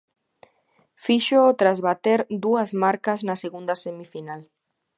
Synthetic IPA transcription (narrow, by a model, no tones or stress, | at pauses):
fiʃoːt̪ɾazβat̪eɾd̪uazmaɾkaznaseɣund̪ɐsemifinal